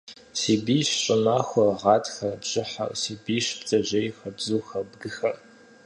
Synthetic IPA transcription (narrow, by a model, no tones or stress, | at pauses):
siːbiːɕɕʼɪmaːxʷɐʁɑːtʰxɐbʑ̥ɪħa̰ʔsiːbiːʃbd͡zʼɐʑejxɐbzuːxɐbɡɨxɐr